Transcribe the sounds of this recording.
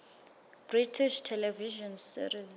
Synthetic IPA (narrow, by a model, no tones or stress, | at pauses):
b̥ritʰiʃtʰɛlɛviʒɔnsḭriz